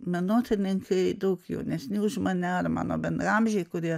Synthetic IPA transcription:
mʲɛnoːt̪ʲɪnʲɪŋkʰɐɪd̪ɐʊkjɛ̰ʊnʲɛsnʲɪʊʃmɐnʲɛɐɾmɑ̰ːno̰ːbʲɛnɑːmʲʒʲɛɪkʊɾʲiɛ

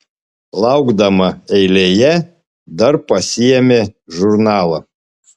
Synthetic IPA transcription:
lˠɐʊɡd̪ɐmɐɛɪlʲejɛ | d̪ɐɾpɐsʲɪjɛmʲeːʒʊɾnɑːlˠɐ

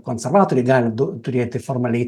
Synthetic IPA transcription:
kɔnsɛrvaːt̪uliɡald̪t̪uɾʲjɛt̪ːɪfɔɾmali

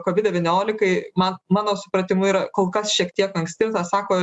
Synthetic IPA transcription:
koːʋʲɪd̪dʲɛʋʲɛnʲoːlʲɪkɐɪmɐnmɑːnoːsʊpɾɐt̪ʲɪmʊiːɾɐkoːlˠkɐsʃʲiɛkt̪ʲiɛkɐŋksʲt̪ʲɪt̪ɑːsɑːkoː

